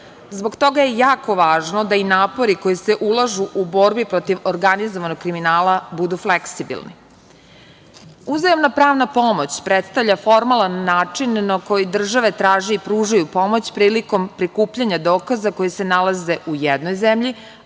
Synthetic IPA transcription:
zbo̞ɡt̪o̞ɡajejaːko̞ʋaːʒno̞d̪ainaːpo̞ɾiko̞jiseʔulˠaʒuʔubo̞ɾbipɾo̞t̪iʋoɾɡanizoʋanoɡ̚kːɾiminaːlabud̪ufleksibḭlˠnḭ | uzajomnapɾaːʋnapo̞mo̞t͡ɕpɾet̪st̪aʋʎafo̞ɾmalˠanːaːt͡ʂinːako̞jid̪r̩ʒaʋe̞t̪ɾaːʒeipɾuʒajupo̞mo̞t͡ɕpɾiːliko̞mpɾikuːpʎaɲad̪oːkazako̞jise̞nalaze̞ujed̪nojzemʎi

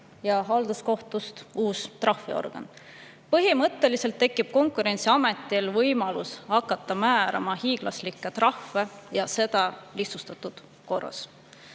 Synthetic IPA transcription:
jɑɦɑld̪usko̞ht̪ust̪uːst̪rɑhfḭo̰rɡ̥ɑ̰n | pɤɦimɤt̪ːe̞lise̞lt̪ːe̞kːˑib̥̚ko̞ŋkˑuɾe̞nʲt̪siɑme̞t̪ːˑilvɤjmɑlushɑkːˑɑt̪ːˑɑmæːɾɑ̰mɑhiːɡ̥lɑ̰slikːˑet̪rɑhvejɑse̞d̪̥ɑlihsust̪ɑt̪ːˑud̪̥ | ko̞rɑ̰s

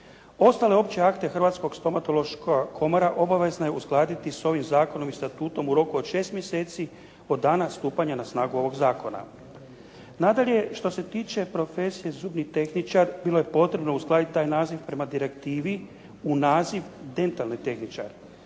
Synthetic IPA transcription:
o̞st̪ale̞o̞pt͡ɕe̞akt̪e̞xrʋat̪sko̞ɡst̪o̞mat̪o̞lo̞ʃkokʰo̞moɾaʔo̞baʋe̞znaje̞usɡlˠaːd̪it̪iso̞ʋimzaːko̞no̞mist̪at̪uːt̪o̞muɾo̞kuod̪ʃe̞ːst̪mje̞se̞ːt̪si | o̞d̪ːaːnast̪uːpaɲanasnaːɡuo̞ʋo̞ɡzaːko̞na̰ | nad̪aʎeʃt̪o̞se̞t̪iːt͡ʃe̞pɾo̞fe̞sijezuːbnit̪e̞xnit͡ʃaɾbilo̞je̞po̞t̪ɾe̞bno̞usɡlˠaːd̪it̪̚ʲt̪aːjnaːziʋpɾe̞mad̪iɾe̞kt̪iːʋi | unaːziʋd̪e̞nt̪alnit̪e̞xnit͡ʃa̰ɾ

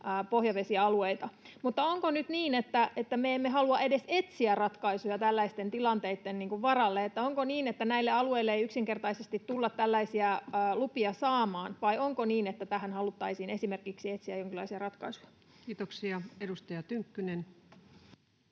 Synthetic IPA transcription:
pohjɑʋesiɑɑlueit̪ɑ | mut̪ːɑoŋkonyt̪niːnet̪ːæʔet̪ːæmeemːeɦɑluɑʔe̞de̞set̪siærɑt̪kɑisujɑt̪ælːæist̪ent̪ilɑnt̪eit̪ːenniːŋkuʋʋɑrɑlːeet̪ːæoŋkoniːnet̪ːænæilːeɑlueilːeejyksiŋke̞rt̪ɑisest̪it̪tulːɑt̪tælːæisiæːlupiɑsɑːmɑːnʋɑioŋkoniːnet̪ːæt̪æhænhɑlut̪ːɑisiːnesimerkiksiet̪siæjoŋkilɑisiɑrɑt̪kɑisujɑ̥ | kiːt̪oksiɑedust̪ɑjɑt̪yŋkːynen

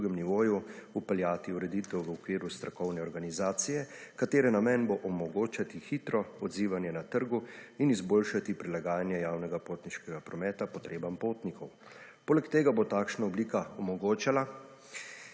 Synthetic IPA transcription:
uɡɛmniʋoːjuupɛljaːt̪iuɾɛd̪iːt̪ɛwʋəɔkʋiːɾust̪ɾakɔwnɛɔɾɡanizaːt̪sijɛkat̪eːɾɛnamɛnboʔɔmɔɡoːt͡ʃat̪ixiːt̪ɾɔɔd̪ziːʋanjɛnat̪əɾɡuinizboːlʃat̪ipɾilaɡaːjanjɛjaːwnɛɡapoːt̪niʃkɛɡapɾɔmɛːt̪apɔt̪ɾeːbampoːt̪nikʰɔw | poːlɛkt̪eːɡabot̪aːkʃnaɔbliːkaɔmɔɡoːt͡ʃala

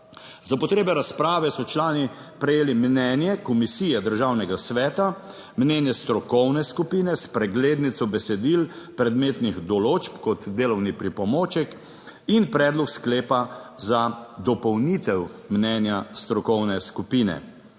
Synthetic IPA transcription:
zapɔt̪ɾeːbɛɾaspɾaːʋɛsɔt͡ʃlaːni | pɾɛjeːlimnɛnjɛkɔmisiːjɛd̪əɾʒaːwnɛɡasʋɛːt̪a | mnɛnjɛst̪ɾɔkɔwnɛskupiːnɛspɾɛɡleːd̪nit̪sɔbɛsɛd̪ilpɾɛd̪meːt̪nixd̪ɔloːt͡ʃpkɔt̪d̪eːlɔwnipɾipɔmoːt͡ʃɛk | inpɾɛːd̪lɔkskleːpazad̪ɔpɔwnit̪ɛwmnɛnjast̪ɾɔkɔwnɛskupiːnɛ̰

